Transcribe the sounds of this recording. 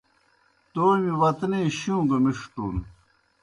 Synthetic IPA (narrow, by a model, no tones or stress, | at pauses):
t̪oːmiwɐt̪neːɕjũːɡɐmiʂt̪uːn